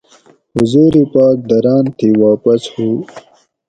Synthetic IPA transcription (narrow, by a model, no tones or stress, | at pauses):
huzuːɾipɑːk̚d̪ɐɾɑːnt̪ʰiwaːpɐshuː